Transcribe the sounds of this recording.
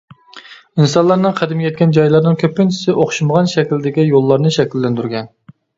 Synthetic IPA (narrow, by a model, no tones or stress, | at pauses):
insɑlˠɑɾnɨŋqʰæd̪ɪmjɛt̪̚kʲʰɛnd͡ʒɑjlˠɑɾnɨŋkʲʰøpːɪnt͡ʃʰi̥sɪʔoχʃiməʁɑnʃɛkʲild̪ɪkʲijolˠːɑɾnɨʃɛkʲilːɛnd̪yɾɡʲɛn